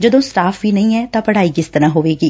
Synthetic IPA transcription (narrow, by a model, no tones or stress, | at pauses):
d͡ʒəd̪õːsʈaːfʰʋiːnəĩːɛːtt̪ãːpəɽaːiːkɪst̪əɾãːɦoːʋeːɡiː